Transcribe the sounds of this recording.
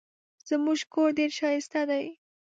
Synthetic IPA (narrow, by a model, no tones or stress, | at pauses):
z̥əmuʒkoɾɖeɾʃɑjɪst̪ad̪aj